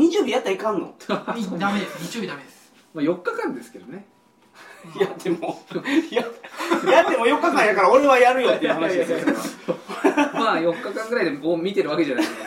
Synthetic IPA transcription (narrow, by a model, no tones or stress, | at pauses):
ɲ̟it͡ɕijoːbʲijat̪ːaikãnːo̰d̪ameɲit͡ɕijobʲid̪amed̪es | maːjo̞kːakãnd̪e̞sɨ̥ked̪o̞ne̞ | jad̪emojajat̪ːe̞mojo̞kːakãñd̪akaɾao̞ɾe̞βajaɾɯ̟jo̞t̪ːeiɯhanaid̪esa | majo̞kːakãŋɡɯɾaid̪e̞moːmʲit̪e̞ɾɯ̟βake̞ʑanask